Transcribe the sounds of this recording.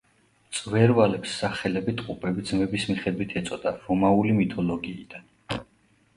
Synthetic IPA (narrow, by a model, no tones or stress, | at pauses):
t̪sʼvɛɾvalɛpsːaχɛlɛbit̪ʼqʼupʼɛbid̪zmɛbismiχɛd̪wit̪ʰɛt̪sʼɔd̪aɾɔmaulimit̪ʰɔlɔɡiːd̪̥an